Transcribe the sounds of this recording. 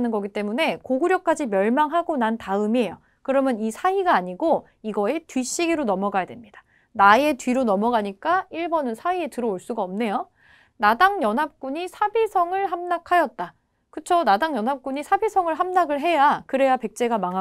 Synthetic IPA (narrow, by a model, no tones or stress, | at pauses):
nɯnɡʌɡit͈e̞mune̞koɡuɾjʌk̚k͈ad͡ʑimjʌɭmaŋɦaɡonantaɯmie̞jo | kɯɾʌmjʌnisʰaiɡaːɲiɡo | iɡʌe̞tɥiɕ͈iɡiɾonʌmʌɡajadwe̞mɲid̥ḁ | nae̞tɥiɾonʌmʌɡaɲik͈aiɭbʌnɯnsʰaie̞tɯɾʌoɭs͈uɡaʌmne̞jo | nadaŋjʌnɦap̚k͈uɲisʰabisʰʌŋɯɭɦamnakʰajʌt̚t͈a | kɯt͡ɕʰonadaŋjʌnɦap̚k͈uɲisʰabisʰʌŋɯɭɦamnaɡɯɭɦe̞jakɯɾe̞jape̞k̚t͡ɕ͈e̞ɡamaŋɦa